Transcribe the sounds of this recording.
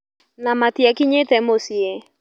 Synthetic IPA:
namatiakiɲetɛmosie

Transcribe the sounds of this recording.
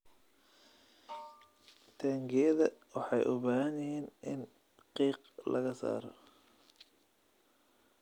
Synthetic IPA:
t̪ʰaːŋɡɪjɐðɐwɑħɑjʔʊbaːɦɐnjɪhiːnʔɪn | qiːq | lɐɣɐsa̰ːɾɔ̰

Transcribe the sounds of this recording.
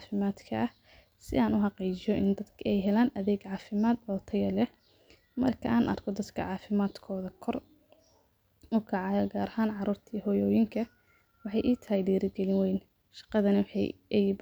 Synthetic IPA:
fɪmaːd̪kʰɐɐh | sɪ̰aːnʊħɑqiːt͡ʃɪjɔʔɪ̰nd̪ɐd̪kʰɛjɦɛlaːnʔɐðɛːɡʕɑːfɪmaːd̪ɔːt̪ʰɐjɐlɛh | mɐrkʰɐʔaːnʔɐ̰rkʰɔd̪ɐd̪kʰɐ̰ʕɑːfɪmaːd̪kʰɔːðɐkʰɔr | ʊkʰɐʕɑjɔɡaːɾɐhaːnʕɑɾuːrt̪ʰiːhɔːjɔːjɪŋkʰɐ | wɑħɑjʔiːt̪ʰɐhɛjɖiːɾɪɡɛlɪnwɛjn | ʃɑ̥qɑðɐnɐwħɑjʔɛjb

